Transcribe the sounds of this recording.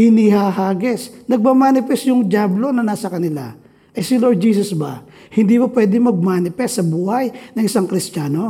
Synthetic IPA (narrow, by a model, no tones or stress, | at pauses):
hɪnihaɦaːɡɛsnɐɡ̚mamaːnɪpɛst̪jʊŋd͡ʒaːblo̞nɐnaːsɐkɐnɪla̰ | ʔɐjsɪloɹd̪̚d͡ʒiːsɐsba̰ | hɪnd̪iːbɐpwɛd̪ɪŋmɐɡ̚maːnɪpɛst̪sɐbuːhajnɐŋɪsaŋkɾɪstaːno̞